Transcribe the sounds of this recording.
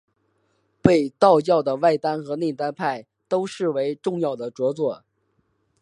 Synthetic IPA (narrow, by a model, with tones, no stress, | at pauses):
pe˥˧ɪt̪ɑ˥˧ʊt͡ɕjɑ˥˩ʊd̪ə˩wa˥˩ɪt̪a˥nxɤ˧˥ne˥˩t̪a˥npʰa˥˩ɪ | t̪o˥ʊʂɻ̩˥˩we˧˥ɪʈ͡ʂʊ˥˧ŋjɑ˥˩ʊd̪ə˩ʈ͡ʂwɔ˧˥t͡swɔ˥˩